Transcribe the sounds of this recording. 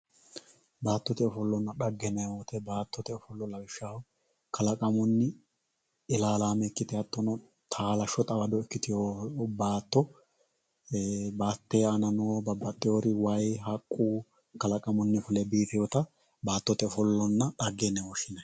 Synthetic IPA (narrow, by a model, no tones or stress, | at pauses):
baːt̪ːɔt̪ɛɔfɔlːɔnːɐɗɐɡːɛnɛoːt̪ɛbaːt̪ːɔt̪ɛɔfɔlːɔlːɐbɪʃːaʊ | kʰɐlɐkʼɐmʊnːɪ | ɪlaːlaːmɛkːɪt̪ɛhɐt̪ːɔnɔ | t̪ʰaːlɐʃɔt̪ʼɐbɐd̪ɔɪkːɪt̪ɪjobaːt̪ːɔ | baːt̪ːeɐnɐnoːbɐbːɐt̪ʼːɪjoːɾɪwɐjɦɐkʼːuː | kɐlɐkʼɐmʊnːɪfʊlɛbiːt̪ɪjɔt̪ɐ | baːt̪ːɔt̪ɛɔfɔlːɔnːɐᶑɐɡːɛnːɛɔʃɪnɐ